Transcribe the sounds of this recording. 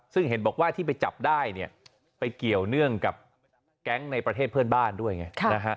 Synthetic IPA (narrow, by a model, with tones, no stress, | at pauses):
sɯ˥˩ŋɦe˨˩˦nbɔː˨˩k̚waː˥˩t̪ʰiː˥˩p̬a˧jt͡ɕa̰˨˩p̚daː˥˩jni˥˩ɐ | pa˧jki˨˩əwnɯ˥˩əŋka˨˩p̚ | kɛ˦˥ŋna˧jpɾa˧t̪ʰeː˥˩t̪̚pʰɤː˥˩ənbaː˥˩ndu˥˩əjŋa˦˥˩kʰa˧na˦˥kʰa˦˥ʔ